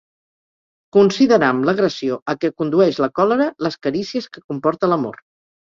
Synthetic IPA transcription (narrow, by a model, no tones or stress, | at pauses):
kunsiðəɾamləɣɾəsioəkɛkund̪uɛʃləkɔləɾələskəɾisiəskəkumpɔɾt̪ələmo̰ɾ